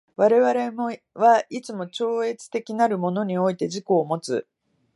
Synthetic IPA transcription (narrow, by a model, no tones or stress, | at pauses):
βaɾe̞βaɾe̞mo | βait͡sɨmo̞t͡ɕo̞ːe̞t͡sɨ̥t̪e̞kʲinaɾɯ̟mo̞no̞ɲ̟io̞it̪e̞ʑiko̞ːmo̞t͡sɨ̰